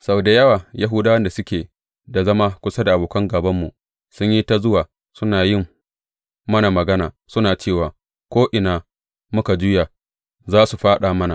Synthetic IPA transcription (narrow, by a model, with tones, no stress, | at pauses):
sa˨da˨jɐ˦waː˨ja˦ɦuː˦daː˦wɐ˦nda˨sʊ˦kʲeː˨ | da˨zɐ˦ma˦kʷʊ˦sa˦da˨ʔa˨boː˨kɐ˦ŋɡɐ˨bɐ˦mːu˨ | sʊ˦ɲji˦ta˦zʊ˦waː˨ | sʊ˦naː˨jɪ˦m | mɐ˦na˨mɐ˨ɡɐ˦naː˨ | sʊ˦naː˨t͡ʃeː˦˨waː˨ | kʷoː˦ʔɪ˨naː˨ | mʊ˦ka˨d͡ʒʊ˦ja˨ | zaː˦su˨ɸaː˦ɗaː˨mɐ˦na˨